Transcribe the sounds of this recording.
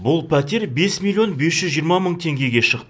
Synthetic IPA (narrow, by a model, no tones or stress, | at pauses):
bʊlˠpʰæt̪eɾbe̞smʲilʲːio̞nbesʒ̥ʏzʒijəɾmɑməɴt̪ʰe̞ŋɡʲe̞ɡʲe̞ʃəqt̪